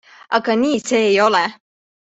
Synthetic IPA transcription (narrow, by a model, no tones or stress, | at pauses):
ʔɑɡɑniːse̞ːjo̞lɛ